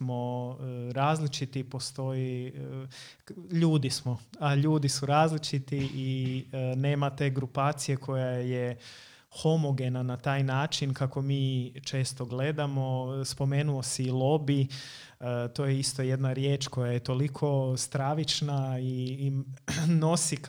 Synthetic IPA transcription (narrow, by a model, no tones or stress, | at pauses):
mo̞ɾaːzlit͡ʃit̪ipo̞st̪o̞ji | ʎuːd̪ismo̞aʎuːd̪isuɾaːzlit͡ʃit̪iʔine̞ːmat̪e̞ːɡɾupaːt̪sije̞kʰo̞jaje | xo̞moɡe̞nanat̪aːjnaːt͡ʃinkako̞miːt͡ʃe̞ːst̪o̞ɡle̞d̪amo̞spo̞me̞ːnuosɛilˠo̞bi | t̪oːjeist̪o̞je̞d̪naɾjeːt͡ʃko̞jajet̪o̞likʰo̞st̪ɾaʋit͡ʃnai | no̞sik